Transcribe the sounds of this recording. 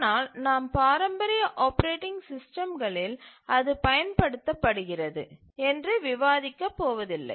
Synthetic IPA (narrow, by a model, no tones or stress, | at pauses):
naːlnaːmpaːɾɐmbɐɾɪjɐʔaːpɐɾeːʈːɪŋɡsɪsʈɐmɡɐɭɪlɐðɯpɐjɐnpɐɽɯt̪ːɐpːɐɽɯɣɪrɐðɯ̰ | ɛndrɯʋɪʋaːðɪkːɐpːoːʋɐðɪlːɐ̰ɪ